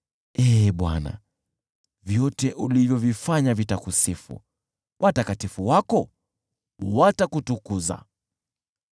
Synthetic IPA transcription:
ɛɓwa̰na̰ | vjɔtɛʔulivjɔvifaɲavitakusifṵ | wʔatakatifuwakɔ | watakutukuza̰

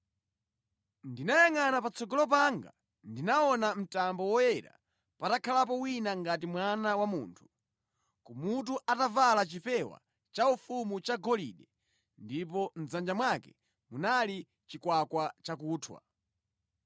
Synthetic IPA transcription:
ndinajaŋanapat͡sɔɡɔlɔp̬aŋɡa̰ | ndinaɔnam̩tambɔwɔjɛɾa̰ | patakʰalap̬ɔwinaŋɡat̬imwanawamṵːntʰu̥ | kumut̬uʔatavalat͡ʃipɛwa̰ | t͡ʃaufumut͡ʃaɡɔlḭɗɛ | ndip̬ɔm̩zand͡ʒamwakɛ | munali | t͡ʃikwakwat͡ʃakuːtʰwa̰

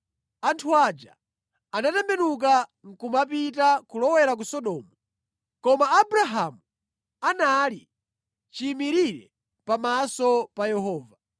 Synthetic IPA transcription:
antʰuad͡ʒa̰ | anatɛmbɛnuk̬aŋ̩kumap̬itakulɔwɛɾak̬usɔɗɔːmɔ | kɔmaːbɾaɦamu | anali | t͡ʃiːmiɾiɾɛ̰ | pamasɔpajɛɦɔːva

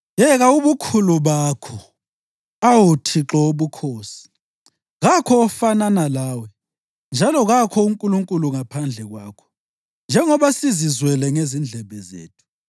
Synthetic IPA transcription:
jɛɣauβukʰuluβakʰɔ | awutʰiǁɔuβukʰoːsi̥ | ɣakʰɔːfananalaːwɛ | nd͡ʒʱalɔɣakʰɔuŋkʼuluŋkʼuluŋapʰand͡ɮʱɛɣwaːkʰɔ̥ | nd͡ʒʱɛŋɔβasizizwɛlɛŋezind͡ɮʱɛβɛzḛːtʰu̥

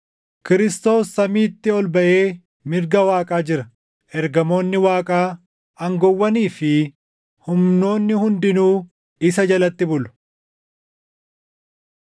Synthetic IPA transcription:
kɪɾɪst̪o̞ːsːɐmiːt̪ːɪɔlbɐʔe̞ː | mɪɾɡɐwaːkʼaːd͡ʒɪɾɐ | ʔɛɾɡɐmo̞ːnːɪwaːkʼaː | ɐŋɡɔwːɐniːfɪ | hʊmno̞ːnːɪhʊnd̪ɪnuː | ɪsɐd͡ʒɐlɐt̪ːɪbʊlʊ̥

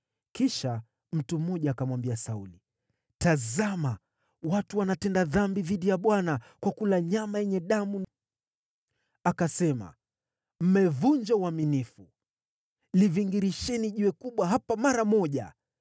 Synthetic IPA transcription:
kiʃa | m̩tum̩ːɔʄaːkamwambiasauli | tazama | watuwanatɛndaðambiðiɗijaɓwanakwakulaɲamajɛɲɛɗamun | akasɛma̰ | m̩mɛvuɲd͡ʒauaminifu | liviŋɡiɾiʃɛniʄuɛkuɓwaɦapamaɾamɔʄa̰

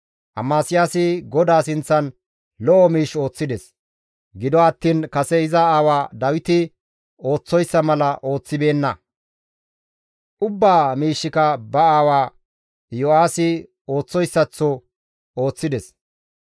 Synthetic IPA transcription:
ʔɐ̰maːsɪjaːsɪɡɔd̪aːsɪnt͡sːɐn | lɔʔɔmiːʃo̞ːt͡sːɪd̪ɛs | ɡɪd̪ɔɐt̪ːiːnkɐsɛɪzɐaːwaːd̪ɐwɪt̪ɪ | o̞ːt͡sːɔjsːɐmɐlɐʔo̞ːt͡sːɪbe̞ːnːɐ | ʔʊbːaːmiːʃːɪkɐbɐaːwaː | jɔaːsɪ | o̞ːt͡sːɔjsːɐt͡sːɔ | o̞ːt͡sːɪd̪ɛs

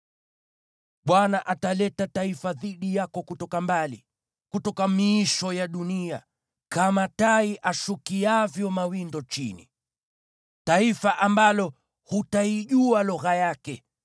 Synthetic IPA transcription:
ɓwanaʔatalɛtataifaðiɗijakɔkutɔkambali | kutɔkamiːʃɔjaɗunia̰ | kamataiʔaʃukiavjɔmawindɔt͡ʃinḭ | taifaʔambalɔ | hutaiʄualɔɣajakɛ

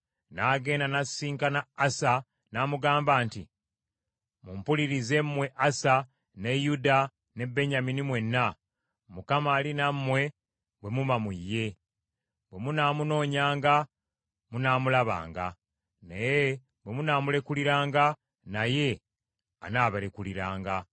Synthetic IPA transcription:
naɡe̞ːndanasiːŋkanaːsa | naːmuɡaːmbaːntḭ | mumpuliɾize̞mmːwe̞ʔasa | ne̞juda | ne̞bːe̞ɲaminimwe̞nːa | mukamaːlinamːwe̞ | bwe̞mumamujːe̞ | bwe̞munaːmuno̞ːɲaːŋɡa | munaːmulaβa̰ːŋɡa̰ | neje | βwe̞munaːmule̞kuliɾaːŋɡa | naje̞ | anaːβalekuliɾa̰ːŋɡa

